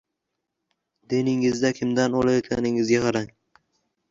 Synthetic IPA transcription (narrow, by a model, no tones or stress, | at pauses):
d̪̥enɪŋɪzd̪akʲʰɪmd̪anɒlajɒt̪kʲanɪŋɪzɡʲaqʰɑɾaŋ